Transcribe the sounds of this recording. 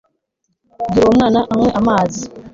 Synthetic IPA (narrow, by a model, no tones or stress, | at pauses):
duɾomnanaʔaŋwɛʔamaːzi